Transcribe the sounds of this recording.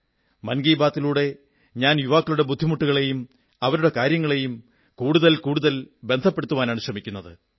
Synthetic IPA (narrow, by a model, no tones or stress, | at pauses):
mɐnɡiːbaːt̪ːiluːɽe̞ | ɲaːnjuʋaːkːɐluɽe̞bud̪ʱːimuʈːuɣɐɭe̞jum | ɐʋɐɾuɽe̞kaːɾjɐŋːɐɭe̞jum | kuːɽuðɐlkuːɽuðɐlbe̞nd̪ʱɐpːe̞ɽut̪ːuʋaːnaːɳuɕrɐmikʲːunːɐðɨ